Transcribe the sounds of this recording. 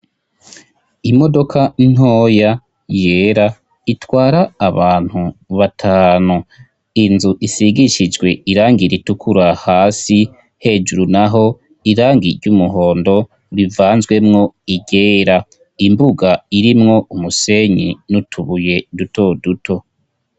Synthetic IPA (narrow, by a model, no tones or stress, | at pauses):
imo̞do̞kʰan̥oːja | je̞ːɾa | itwaːɾaːβaːn̥huβatʰaːnhu | inzuʔisiɡiʃid͡ʒɡwe̞iɾaːŋɡiɾitukʰuɾahaːsi | he̞d͡ʒuɾunaɦo̞ | iɾaːŋɡiɾɟumuɦo̞ːndo̞ | ɾivaːnzɡwe̞mŋo̞iɟe̞ːɾa | imbuɡaiɾimŋo̞umuse̞ɲḭnutʰuβuje̞duto̞dutʰo̞